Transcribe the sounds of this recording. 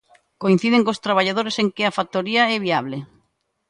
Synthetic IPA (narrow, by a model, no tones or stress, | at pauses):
koin̟θið̞eŋkost̪ɾaβaʎaðoɾeseŋkɪafat̪oɾiaɛβiaβle